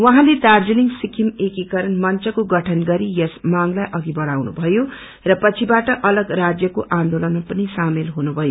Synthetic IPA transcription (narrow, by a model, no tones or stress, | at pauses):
wʌɦãled̪ard͡ziliŋsikʰimekikʌɾʌnmʌnt͡sʌkoɡʌʈʰʌnɡʌɾijʌsmaŋlajʔʌɡibʌɽawnṵbʱʌjo | rʌpʌt͡sʰibaʈʌʔʌlʌɡrad͡zjʌkoʔãnd̪olʌnpʌnisamelɦunubʱʌjo